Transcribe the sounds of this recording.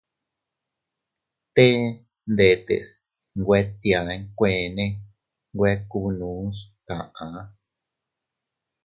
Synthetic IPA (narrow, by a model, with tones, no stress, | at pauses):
t̪e˦ | nd̪e˧t̪ḛ˨s | ŋɡʷe˦t̪ja˨˧˦ŋkʷẽ˧˨nẽ˦ | ŋɡʷe˦˧˦ku˧nũ˨˦s | kã˨ʔã˨˦